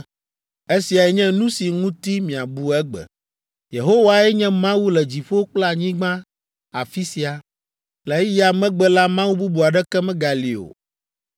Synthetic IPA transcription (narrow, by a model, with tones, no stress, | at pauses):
e˦si˨a˨ɛ˨ɲɛ̃˦nũ˦si˨ŋũ˦t̪i˦mĩ˨a˨bu˦ɛ˦ɡ͡bɛ̰˨ | je˨ɦo˦wa˨ɛ˦ɲɛ̃˦mã˦wu˦lɛ˨d͡ʑi˨ɸo˦k͡pla˨ɲĩ˦ɡ͡bã˦ | a˨fi˦si˨a˨ | lɛ˨˦i˦ja˨mɛ̃˦ɡ͡bɛ˦la˦mã˦wu˦bu˦bu˨a˨ɖɛ˦kɛ˦mɛ̃˦ɡa˨li˨o̰˨